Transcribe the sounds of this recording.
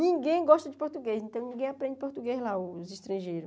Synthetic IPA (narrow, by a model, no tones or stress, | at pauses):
nĩɡẽj̃ɡɔʃt̪ɐd͡ʒɪpoɾt̪uɡejsẽnt̪ɐ̃w̃nĩɡẽj̃apɾẽd͡ʒɪpoɾt̪uɡejzlaʊziʃt̪ɾɐ̃ʒejɾʊ